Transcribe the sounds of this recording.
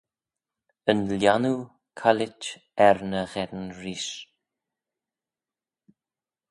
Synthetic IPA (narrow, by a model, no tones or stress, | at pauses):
ənljanu | kʰalɪt͡ʃɛɾnəɣɛɾnɾiːʃ